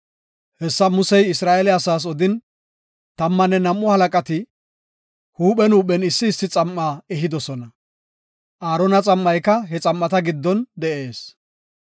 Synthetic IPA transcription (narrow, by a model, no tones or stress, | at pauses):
hɛsːɐmʊsɛjɪsɾaːʔɛlɛɐsaːs̬ɔd̪ɪn | t̪ɐmːɐnːɛnɐmːɔhɐlɐkʼɐt̪ɪ | huːɓɛnuːɓɛnɪsːɪːsːɪt͡sʼɐmːaːɛɦɪd̪ɔsɔnɐ | ʔaːɾɔnɐt͡sʼɐmːɐjkɐɦɛt͡sʼɐmːɐt̪ɐɡɪd̪ːɔnd̪ɛʔe̞ːs